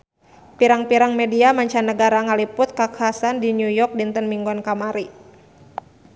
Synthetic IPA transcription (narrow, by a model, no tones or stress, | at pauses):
piɾaŋpiɾaŋmɛdiamaɲt͡ʃanəɡaɾaŋalipʊt̪̚kakʰaasandinjujɔk̚dint̪ənmiŋɡɔnkamaɾi